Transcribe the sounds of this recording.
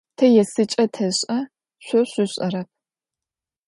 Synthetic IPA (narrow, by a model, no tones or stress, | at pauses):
tʰɐjɛsɨt͡ʃʼɐtʰɐɕʼɐ | ɕʷɔɕʷʊɕʼɐɾɐp̚